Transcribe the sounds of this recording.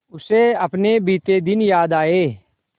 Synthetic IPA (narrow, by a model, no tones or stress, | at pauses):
ʊseɐpnebiːt̪ed̪ɪnjaːd̪aːeː